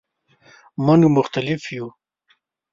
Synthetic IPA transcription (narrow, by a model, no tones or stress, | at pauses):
manumʊxt̪alɪfju